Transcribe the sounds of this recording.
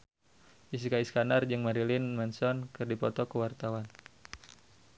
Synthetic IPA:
ʔis̬ikaiskanard͡ʒɨŋmaɾilinmɛnsɔnkɨrdipɔt̪ɔkəwart̪awan

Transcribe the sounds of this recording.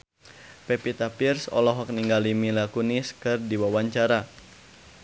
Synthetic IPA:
pɛpit̪apirsɔ̰lɔɦɔk̚niŋɡalimilakuniskɨrdiwawaɲt͡ʃaɾa

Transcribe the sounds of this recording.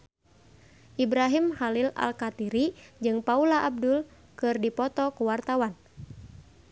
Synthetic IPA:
ʔibɾaɦimhalila̰lkat̪iɾid͡ʒɨŋpaulaʔab̚dul | kɨrdipɔt̪ɔkuwart̪awan

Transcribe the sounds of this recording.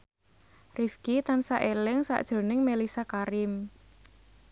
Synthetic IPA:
rifkit̪ansaʔelɪŋsa̰ʔd̥ʒ̥o̤nɪŋmelisakaɾɪm

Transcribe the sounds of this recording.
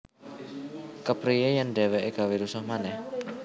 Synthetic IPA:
kəpɾijejandewɛʔeɡawiɾusɔhmanɛh

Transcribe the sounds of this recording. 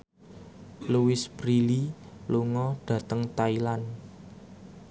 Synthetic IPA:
luwɪsb̥ɾili | luŋɔɖ̥ä̤t̪əŋt̪ailan

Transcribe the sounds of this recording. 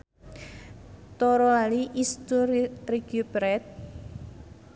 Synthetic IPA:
t̪ɔɾɔaliʔist̪urriɡ̥ubɾɛt̪̚

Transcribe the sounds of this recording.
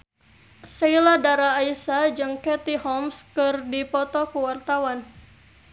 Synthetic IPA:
seiladaɾaːisad͡ʒɨŋkɛt̪ihɔmskɨrdipɔt̪ɔkuwart̪awan

